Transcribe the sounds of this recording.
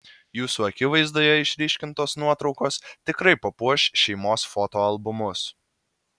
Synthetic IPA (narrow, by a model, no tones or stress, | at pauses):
juːsuːɐkʲɪʋɐɪzd̪oːjɛɪʃʲɾʲiːʃʲkʲɪnt̪oːsnuɔt̪ɾɒʊkoːst̪ʲɪkɾɐɪpɐpuɔʃʲʃʲɛɪmoːsfoːt̪oːɐlˠbʊmʊs